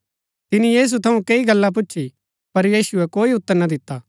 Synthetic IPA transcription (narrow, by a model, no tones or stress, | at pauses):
t̪ɪnijiːs̬ut̪ʰɐũkeiɡɐlːãp̬ʊːʃʰi | pɐɾjiːsuɛkoːiʊt̪ːəɾnɐd̪ɪt̪ːaː